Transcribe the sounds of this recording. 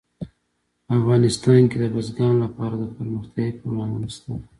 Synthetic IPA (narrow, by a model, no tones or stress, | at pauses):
afɣɑnɪst̪ɑnked̪əbəzɡɑnlapɑɾad̪əpəɾməxt̪ɑipəwlɑ̃nwənist̪əl